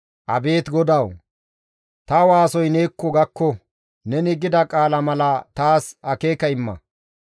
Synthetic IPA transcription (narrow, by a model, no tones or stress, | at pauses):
ʔɐ̰be̞ːt̪ɡɔd̪ɐw | t̪ɐwaːsɔjneːkːɔɡɐkːɔ | nɛnɪɡɪd̪ɐkʼaːlɐmɐlɐt̪aːsɐke̞ːkɐɪmːɐ̰